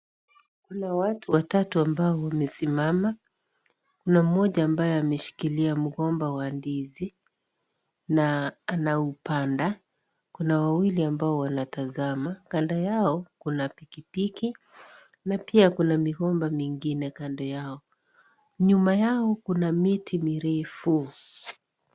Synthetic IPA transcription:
kunawatuwatatuambaɔwamɛsimama | kunam̩ɔʄaːmbajɔamɛʃi̥kiliam̩ɣɔmbawandizi | naːnaupanda | kunawawiliambaɔwanatazamakandajaɔkunapikipiki | napiakunamiɣɔmbamiŋɡinɛkandɔjaɔ | ɲumajaɔkunamitʰimiɾɛfu

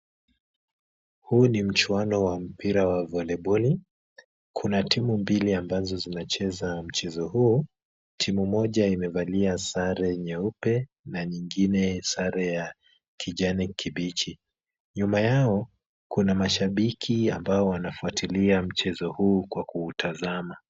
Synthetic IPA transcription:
huːnim̩t͡ʃwanɔwam̩piɾawavɔlɛɓɔli | kʰunatimumbiliambazɔzinat͡ʃɛzam̩t͡ʃɛzɔhuː | tʰimumɔʄaimɛvaliasaɾɛɲɛupɛ | naɲiŋɡinɛsaɾɛja | kʰiʄanɛkʰiɓit͡ʃi | ɲumajaɔ | kunamaʃaɓikʰiambaɔwanafuatʰiliam̩t͡ʃɛzɔhuːkwakuːtʰazama

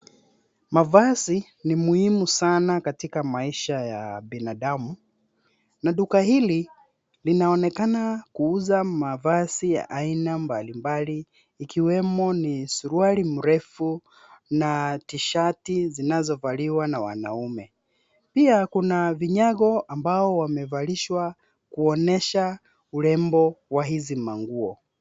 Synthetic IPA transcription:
mavasi | nimuhimusanakatikamaiʃaja̰ɓinaɗamu | naɗukahili | linaɔnɛkanakuuzamavasija̰ʔainambalimbaliː | kiwɛmɔnisuɾuaɾim̩ɾɛfu | natiʃatizinazɔvaliwanawa̰na̰umɛ | piakunaviɲaɣɔambaɔwamɛvaɾiʃwa | kuɔnɛʃa | ulɛmbɔwaɦizimaŋɡuɔ

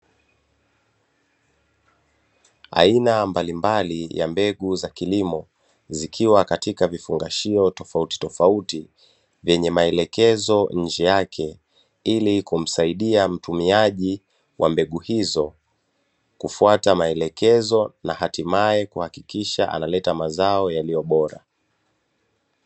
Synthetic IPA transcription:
a̰inambalimbalija̰mbɛɠuzakilimɔ | zikʰiwakatikavifuŋɡaʃiɔtɔfauti̥tɔfauti | vjɛɲɛmaɛlɛkɛzɔɲ̩d͡ʒɛjakʰɛ | ilikum̩saiɗiam̩tumiaʄi | wʔambɛɠuhizɔ | kufuatamaɛlɛkɛzɔnahatimaɛkuhakikiʃaʔa̰nalɛtamazaɔjalijɔɓɔɾa̰

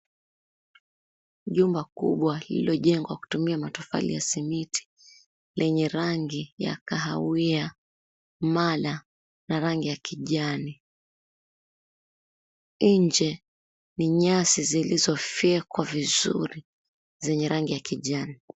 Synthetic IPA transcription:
ʄumbakṵɓwalḭiɔʄɛŋɡwaku̥tumiamatɔfa̰lḭjasimitʰi̥ | lʔɛɲɛɾaŋɡija̰kaɦawia | mala | naɾaŋɡijakʰiʄani | ɲd͡ʒɛ | niɲasizilizɔfɛkwavizṵɾi | zɛɲɛɾaŋɡijakiʄani

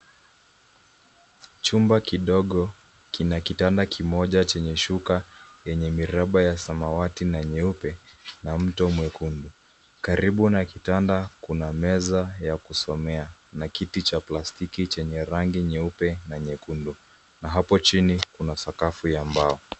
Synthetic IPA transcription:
t͡ʃumbakiɗɔɠɔ | kinakitandakʰimɔʄat͡ʃɛɲɛʃukajɛɲɛmiɾaɓajasamawatinaɲɛupɛnam̩tɔmwɛkundu | kaɾʔiɓunakitandakunamɛzajakusɔmɛanakitit͡ʃaplastikit͡ʃɛɲɛɾaŋɡiɲɛupɛnaɲɛkundu | naɦapɔt͡ʃinikunasakafujambaɔ

